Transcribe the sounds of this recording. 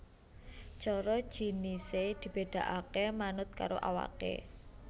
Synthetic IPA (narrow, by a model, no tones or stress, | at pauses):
t͡ʃɔɾɔ̥ʒ̥i̤nised̪̥i̤b̥ed̪̥a̤ʔakemanʊt̪̚ka̰ɾoʔa̰wa̰kḛ